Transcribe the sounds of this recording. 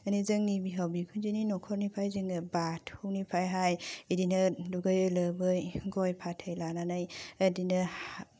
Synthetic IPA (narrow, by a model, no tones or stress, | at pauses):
ənizɯŋnibiɦawbikʰunzininɔkʰɔɾnipʰajzɯŋɯbatʰhuwnipʰajɦajidinɯduɡɯjɯlɯbɯjɡɔjpʰatʰɯjlananajadinɯh